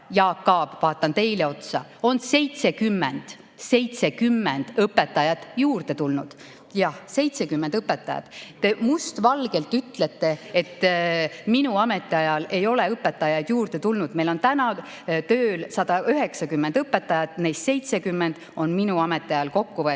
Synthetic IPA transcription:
jɑːkːɑːb̥vɑːt̪ːˑɑnt̪e̞jleo̞t̪sɑo̞nse̞jt̪se̞kymːend̪̥ | se̞jt̪se̞kymːend̪̥ɤpːe̞t̪ːɑjɑt̪juːrd̪̥e̞t̪ulnud̪̥ | jɑhse̞jt̪sekymːe̞nd̪ɤpːet̪ːˑɑjɑ̰t̪t̪ːe̞must̪vɑlɡ̥e̞lt̪ːˑyt̪ːˑle̞t̪ːˑe̞et̪ː | minuɑme̞t̪ːˑeɑjɑle̞jo̞leɤpːˑe̞t̪ːˑɑjɑjd̪̥juːrd̪e̞t̪ulnud̪me̞jlo̞nt̪ænɑ | t̪øːlsɑd̪̥ɑʔyɦe̞ksɑkymːend̪ɤpːˑet̪ːˑɑjɑt̪nejst̪se̞jt̪se̞kymːend̪̥o̞nminuɑme̞t̪ːˑeɑjɑlko̞kːuvɤ

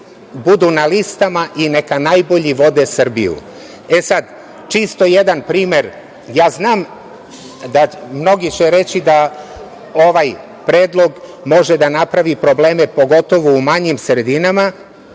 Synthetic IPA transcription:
bud̪unalist̪amaʔinekanajbo̞ʎiʋo̞d̪esr̩bḭjṵ | e̞sad̪ | t͡ʃist̪o̞jed̪anpɾiːme̞ɾ | jaːznaːm | d̪amno̞ɡit͡ɕeɾe̞t͡ɕid̪a | o̞ʋaj | pɾeːd̪lˠo̞ɡ | mo̞ʒed̪anapɾaʋipɾo̞ble̞ːmepo̞ɡo̞t̪o̞ʋoumaɲimsɾed̪inama

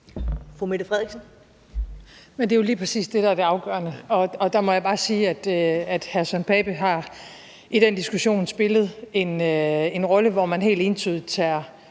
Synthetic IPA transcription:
fomed̥əfʁɛðˠɡ̥sn̩ | mend̥e̝jo̝liːpʰʁɛsḭːsd̥e̝ɾ̥ɑ̈æɐd̥e̝ɑ̈ʊɡ̥ɶɐnəɒ̽ɒ̽d̥ɑ̈mɒ̽jäb̥ɑ̈ːsiːæd̥øæd̥hæɐsɒnpʰɛːb̥əɦɑ̈ | ʔid̥end̥isɡ̥uɕo̝̰ːnsb̥e̝lð̞̩ˠe̝ne̝nʁɒ̽ləʋɒmænɦe̝̰ːld̥e̝nt͡sʰyð̰ˠit͡sʰæɐ̰

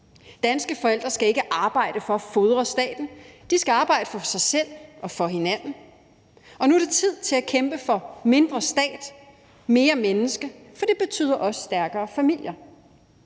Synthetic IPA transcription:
d̥ænsɡ̥əfɒ̽el̰d̥ʁɐsɡ̥æe̝ɡ̥əʔɑ̈ːb̥ɑ̈ɪ̰ɾ̥əfɒ̽æfoð̞ˠʁɐsd̥ɛ̰ːd̥n̩d̥isɡ̥æɑ̈ːb̥ɑ̈ɪ̰d̥əfɒ̽sɑ̈ɪsel̰ʔɒ̽fɒ̽ɦe̝næn̰n̩ | ɒ̽nuæɐɾ̥e̝t͡sʰið̞̰ˠt͡sʰe̝lækʰemb̥əfɒ̽me̝nd̥ʁɐsd̥ɛ̰ːd̥ | me̝ːɐmenəsɡ̥əfɒ̽d̥e̝b̥e̝t͡sʰy̰ːð̰ˠɐʔɒ̽sə̥sd̥æɐɡ̥ɐːfæmil̰jɐ

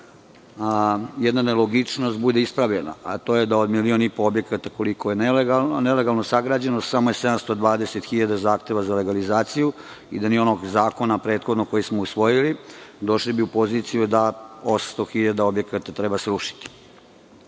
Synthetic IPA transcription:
jɛd̪naneloɡit͡ʂno̞st̪bud̪e̞ispɾaʋʎena̰ʔat̪o̞jed̪aod̪milionipoobje̞kat̪ako̞liko̞jeneleɡanele̞ɡalˠno̞saɡɾaːd͡ʑenosamo̞jesed̪amst̪od̪ʋaːd̪e̞set̪xiʎad̪azaːxt̪e̞ʋazale̞ɡalizaːt̪siju | ḭd̪anio̞no̞ɡzaːko̞napɾeːt̪xod̪noko̞jismousʋo̞jilid̪o̞ʃlibiupo̞zit̪sijud̪aosast̪o̞xiʎad̪ao̞bje̞kat̪at̪ɾebasɾuʃi̥t̪i̥

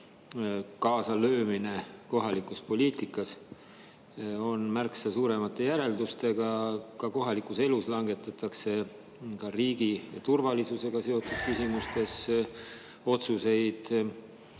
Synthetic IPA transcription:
kɑːsɑlø̞ːmine̞ko̞ɦɑlikˑuspo̞lʲiːt̪ikˑːɑs | o̞nmærksɑsuːɾe̞mɑt̪ːˑe̞jæɾe̞ld̪ust̪e̞ɡ̥ɑkɑko̞ɦɑlikuse̞luslɑŋɡ̥e̞t̪ːˑɑt̪ːˑɑkse̞ | kɑriːɡ̥ijɑ̰t̪urvɑlisuse̞ɡ̥ɑse̞o̞t̪ːˑud̪̥kysimust̪e̞s | o̞t̪suse̞jd̪̥

